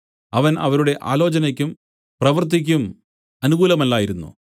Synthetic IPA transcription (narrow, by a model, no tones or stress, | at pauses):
ɐʋɐnɐ̰ʋɐɾuɽe̞ʔa̰ːlo̞ːt͡ɕɐnɐkʲːum | prɐʋɐrt̪̬ik̬ʲːum | ɐnuɣuːlɐmɐlːaːjiɾunːṵ